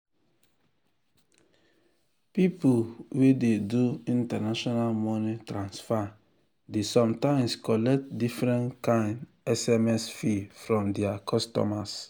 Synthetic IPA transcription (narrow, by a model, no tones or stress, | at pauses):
pipulwededuĩntanaʃɔnalmɔnitɾãnsfa | desɔ̃mtãɪ̃mskɔlɛk̚tdifɾɛ̃nkãɪ̃nd | ɛsɛmɛsfifɾɔ̃mdɛakʰɔstɔ̰mas